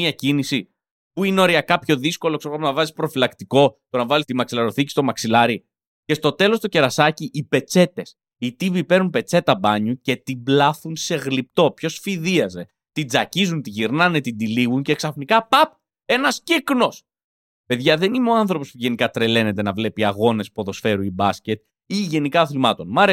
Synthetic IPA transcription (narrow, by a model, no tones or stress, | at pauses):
iɐcinisi | puineo̞ɾiɐkɐpço̞ðisko̞loksoɐmonɐvɐzispɾo̞filɐkt̪iko̞t̪o̞nɐvɐlist̪imɐksilɐɾo̞θicist̪o̞mɐksilɐɾi | ce̞st̪o̞t̪e̞lo̞st̪o̞ce̞ɾɐsɐciʔipe̞t͡se̞t̪e̞s | it̪ivipe̞ɾunpe̞t͡se̞t̪ɐbɐɲuce̞t̪iblɐθunse̞ɣlip̚t̪o̞pço̞sfiðiɐze̞ | t̪id͡zɐcizunt̪iʝiɾnɐnet̪ind̪iliɣunceksɐfnikɐpɐp̚ | e̞nɐscikno̞s | pe̞ðʝɐðe̞nimeo̞ɐnθɾo̞po̞spuʝe̞nikɐt̪ɾe̞le̞ne̞t̪e̞nɐvle̞piɐɣo̞ne̞spo̞ðo̞sfe̞ɾuibɐsce̞t̪̚ | iʝe̞nikɐθilimɐt̪o̞nmɐɾe